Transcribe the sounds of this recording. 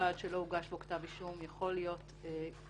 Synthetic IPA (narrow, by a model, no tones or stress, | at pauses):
alʃelo̞uɡaʃboktaviʃumjaχo̞lijo̞t | e